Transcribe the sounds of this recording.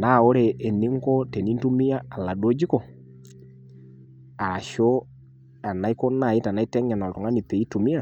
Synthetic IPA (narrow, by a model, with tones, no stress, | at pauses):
na˨˦˨ɔ˦ɾɛ˨ʔːni˦ŋ˦ɡɔ˦tɛ˨ni˦n˦tu˦mi˦a˦a˨la˨dɔ˦d͡ʒi˦kɔ˨ | a˨a˨ʃɔ˦ | a˨na˨i˦kɔ˦na˨i˦ta˨na˨˦i˦tɛ˦ɲa˨na˨ɾɔ˨ŋa˦ni˨tɛ˨i˦tu˨mi˦a˦˨